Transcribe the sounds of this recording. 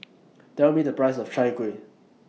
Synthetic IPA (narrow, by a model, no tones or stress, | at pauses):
tɛlmidəpɹaɪsɔft͡ʃajkwe